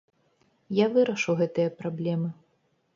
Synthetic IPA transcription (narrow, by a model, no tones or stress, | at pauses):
javɨɾɐʂɨwɣɛt̪ɨjɐpɾablʲɛmɨ